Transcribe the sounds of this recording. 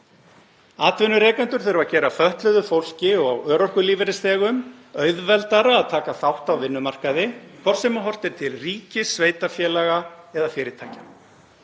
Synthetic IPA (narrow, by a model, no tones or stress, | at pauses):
aːt̪vɪnːʏɾɛːkɛnt̪ʏɾ̥θʏɾʏvacɛːɾafœht̪lœðʏfowl̥cɪɔɣawœːɾɔhkʏliːvɪɾɪsθɛːɣʏmœɥðvɛlt̪aɾaːðt̪ʰaːkaθawht̪awvɪnːʏmar̥kaðɪkʰvɔr̥sɛmaɦɔr̥t̪ɪɾ̥t̪ʰɪlriːcɪsːveːjt̪afjɛːlaɣaɛðafɪːɾɪt̪ʰaːca